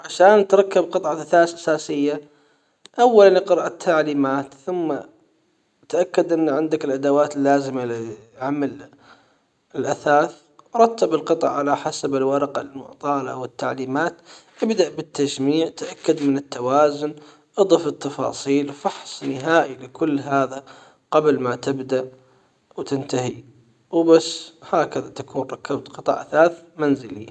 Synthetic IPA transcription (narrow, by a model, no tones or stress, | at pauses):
ʕaʃaːnt̪ɾˤɑkːabqɨt̪ˤʕɑlʔaθaːθʔasaːsɪjːa | ʔawːalanʔqɨɾʔat̪ʰːaʕliːmaːt̪θʊmːa | t̪ʔakːad̪ʔɪnːʕɪnd̪akɪlʔad̪awaːt̪ɪlːaːzɪmalɪʕamal | ɪlʔaθaːθ | ʔɑɾˤɑt̪ːabɪlqɨt̪ˤɑ̰ʕʕalaħasabɪlwɑɾˤɑqɑ̰lmʊ̰ʕt̪ˤɑːlaʔa̰wɪt̪ːaʕliːmaːt̪ʔɪbd̪aʔbɪt̪ːad͡ʒmiːʕt̪ʔakːad̪mɪnɪt̪ːawaːzʊn | ʔɨd̪ˤɑfɪt̪ːɑfɑ̰ːsˤiːlfɑħsˤnɪɦaːʔilɪkʊlːɦaːða | qɑblmat̪ɪbd̪aʔ | wt̪ɪnt̪aɦi | wbasːhaːkaðat̪akuːnɾˤɑkːabt̪qɨt̪ˤɑ̰ʕʔaθaːθmanzɪlḭ